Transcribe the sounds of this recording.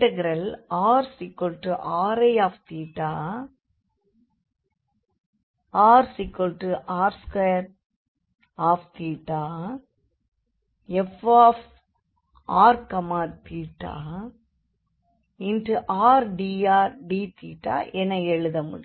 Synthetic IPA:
ʈɐɡɾɐlaːɾsɪkːɔlʈɯʔaːɾɐaːft̪iːʈːaː | aːɾsikːɔlʈɯʔaːɾskeɾ | aːft̪iːʈːaː | ɛfaːf | aːɾkɐmaːɾt̪iːʈːa̰ː | ɪnʈɯʔaːɾɖiːaːɾɖit̪ḭːʈːa̰ːʔɛnɐɛɻɯðɐmʊ̰ɽ

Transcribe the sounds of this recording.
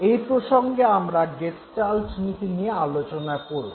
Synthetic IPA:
ejpɾoʃoŋɡeamɾaɡest͡ɕalʈnit̪inijealot͡ɕonakoɾo

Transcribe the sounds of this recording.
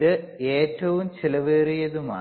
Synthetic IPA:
ðɨeːtːɐʋumt͡ɕilɐʋeːrijɐðuma̰ː

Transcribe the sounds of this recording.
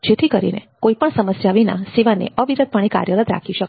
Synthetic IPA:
d͡ʒet̪ʰikəɾḭnḛkoipəɳsəməsjaʋina̰siʋanḛəʋiɾəd̪̚pəɽ̃ika̰ɾjələt̪ɾa̰kʰiʃək

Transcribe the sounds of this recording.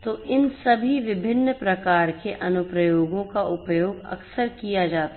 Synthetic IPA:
t̪oːʔɪnsɐbʱiʋɪbʱɪnːəpɾɐkaːɾkeʔɐnʊpɾəjoːɡõkaʔʊpjoːɡɐ̰ksəɾkijad͡ʒaːt̪a

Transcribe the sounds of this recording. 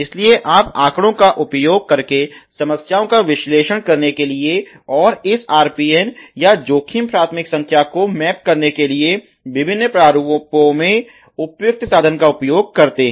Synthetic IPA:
ɪslieʔaːpaːkɽ̃õkaʔʊpjoːɡ̚kɐɾkesɐməsjaːõkaʋɪʃleːʃəɽ̃kɐɾnekelie | ɔːɾɪsaːɾpiːɛnjad͡ʒoːkʰimpɾaːt̪ʰmɪksɐ̃ŋkʰjakomɛːp̚kɐɾnekelie | ʋɪbʱɪnːpɾaːɾuppõmẽ | ʊpjʊk̚t̪saːd̪ʱənkaʊpjoːɡ̚kɐɾt̪eː

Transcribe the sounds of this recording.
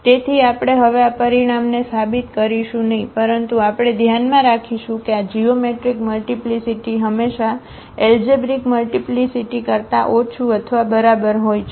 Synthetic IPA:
t̪et̪ʰiapɽ̃eɦəʋeapəɾiɽ̃amnesabit̪kəɾiʃũnəɦĩpəɾənt̪uapɽ̃ed̪ʱjanmãɾakʰiʃũkead͡ʒiomeʈɾikməlʈiplisiʈiɦəmːeʃa | eld͡ʒebɾikməlʈiplisiʈikəɾt̪aʔot͡ʃʰuət̪ʰəʋabəɾabəɾɦojt͡ʃʰ

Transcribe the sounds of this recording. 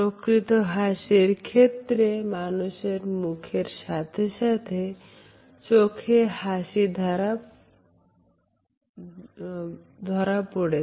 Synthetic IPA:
pɾokɾit̪oɦaʃeɾkʰet̪ɾemanuʃeɾmukʰeɾʃat̪ʰeʃat̪ʰe | t͡ʃokʰehaʃid̪ʱaɾa | d̪ʱɔɾapoɽe

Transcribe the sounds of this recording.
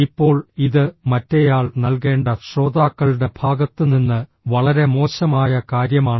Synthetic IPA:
ipːo̞ːɭiðɨmɐtːɐjaːɭnɐlke̞ːɳɖɐɕro̞ːd̪aːkːɐɭɨɽe̞b̥ʱaːɡɐt̪ːɨninːɨ | ʋɐɭɐɾe̞mo̞ːɕɐmaːjɐkaːɾjɐmaːɳɨ

